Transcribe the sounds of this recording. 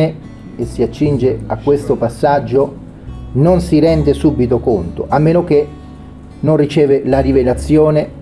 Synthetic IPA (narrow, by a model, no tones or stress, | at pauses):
e | esːiat͡ʃːind͡ʒeakːwest̪opasːad͡ʒːo | nonsiɾɛnd̪esubːit̪okont̪o̰ʔamːeːnok̟e | nonrit͡ʃɛːvelaɾivelat̪sːjoːne